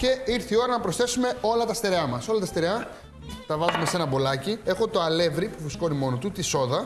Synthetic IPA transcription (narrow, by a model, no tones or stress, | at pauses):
ce̞iɾθio̞ɾɐnɐpɾosθe̞sume̞o̞lɐt̪ɐst̪eɾeɐmɐso̞lɐt̪ɐst̪eɾeɐ | t̪ɐvɐzume̞se̞nɐbo̞lɐcie̞xo̞t̪o̞ɐle̞vɾipufɾisko̞nimo̞not̪ut̪iso̞ðɐ